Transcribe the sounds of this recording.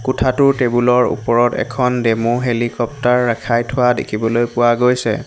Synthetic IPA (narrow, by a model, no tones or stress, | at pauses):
kʊtʰatʊtebulɔɹṵpɔɹɔtɛ̰kʰɔndemoɦelikɔptaɹːakʰajtʰʊwadḛkʰibɔlojpʊwaɡojsɛ̰